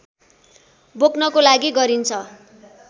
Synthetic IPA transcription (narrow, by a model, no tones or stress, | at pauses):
boknʌkolaɡiɡʌɾint͡sʰʌ